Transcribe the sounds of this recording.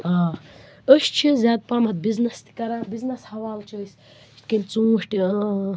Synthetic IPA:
aː | əʃt͡ʃʰizʲaːd̪̚paːmɐt̪̚biznɐst̪ʰi̥kɐɾaːbiznɐshɐʋaːlt͡ʃʰəjs | ʃt̪ʲkinʲt͡sũːʂʈʲi

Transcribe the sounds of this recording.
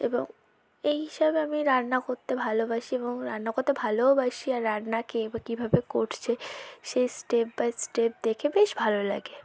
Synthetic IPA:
ḛbo̰ŋ | ejɦiʃabeamiɾannakoɾt̪ebʱalobaʃieboŋɾa̰nnakoɾt̪ebʱalobaʃiaɾːannakebakibʱabekoʈʰt͡ɕʰeʃejsʈep̚basʈep̚d̪ekʰebeʃbʱalola̰ɡe

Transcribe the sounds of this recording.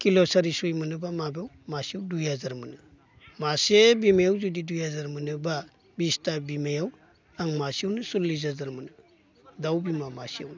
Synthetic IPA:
kilosaɾisujmɯnɯbamabew | masiawdujazaɾmɯnɯ | masebimajawzudidujazaɾmɯnɯba | bistabimajaw | aŋmasiawnɯsullizazaɾmɯnɯ | dawbimamasia̰wnɯ

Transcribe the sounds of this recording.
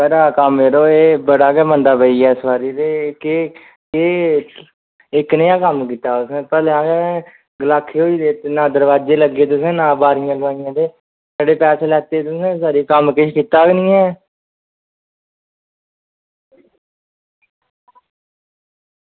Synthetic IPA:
pəɾaːkəmeːɾoːeːbəɽaːkɛːmə̃nd̪aːpəiːɛːɪsbaːɾiːd̪eːke | keː | ɪknəjãːkəmkiːt̪aːʊsẽːpɛːleãːɡɛ̃ | ɡəlaːkʰːeːoːiːd̪eːt̪ːnãːd̪əɾʋaːd͡ʒeːləɡeːt̪ʊsẽːnãːbaːɾijãːləʋaːɪjãːd̪eː | saːɽeːpɛːseːlɛːt̪eːt̪ʊsẽːsaːɾiːkəmkɪʃkiːt̪aːknĩːɛː

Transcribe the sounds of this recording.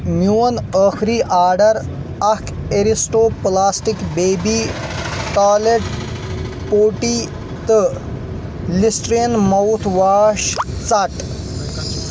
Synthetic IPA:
mjuːɐnəːxɾiːʔaːɾɖɐɾ | ɐkeɾisʈoːplaːsʈikbeːbiːʈaːleʈ | poːʈiː | t̪ɨ | lisʈɾenmɐwt̪ʰʋaːʃt͡sɐʈ

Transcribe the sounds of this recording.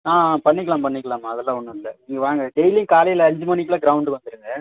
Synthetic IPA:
ãːpɐɳːɪkːɐlaːmpɐɳːɪkːɐɭãːmːaːɐðɛlːãːɔnːɯɪlːɐniːŋɡɐʋaːŋɡɐɖɛjlɪjŋkaːlɐjɪlɐɐɲd͡ʒɯmɐnɪk̬ːɪlaːɡɪɾɐʊɳɖɯʋɐnd̪ɯɾɯŋɡɐ

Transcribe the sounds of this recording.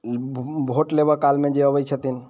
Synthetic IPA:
bʱoʈlebəkalmẽd͡ʒeəbəjt͡ʃʰət̪in

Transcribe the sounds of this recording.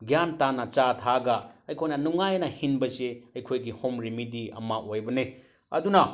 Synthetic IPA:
ɡjantanɐt͡ʃatʰaɡɐɐjkʰojnɐnuŋajnɐhinbɐseɐjkʰojɡihomɾimidiɐ̰mɐʔojbɐne | ɐ̰dunɐ

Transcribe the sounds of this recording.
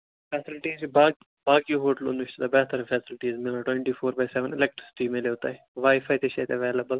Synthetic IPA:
fʰɛːsɪlʈiːzbaː | baːkiɦoːʈəlʊ̰nʋʊʃt̪d̪abɛːɦt̪əɾɐfɛːsɪlʈiːzmɪlaʈwẽɳʈiːfʰoːɾbajsɛʋənɪlek̚ʈɾɪsɪ̥ʈimẽleot̪aːe | ʋaːɪfaːjt̪eʃɐt̪ɐʋeːlɐbəl

